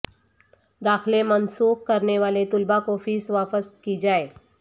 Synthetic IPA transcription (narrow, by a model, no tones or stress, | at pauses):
d̪aːxlemɐnsuːk̚kɐɾneʋaːlet̪ʊlbakofiːsʋaːpəskid͡ʒaːeː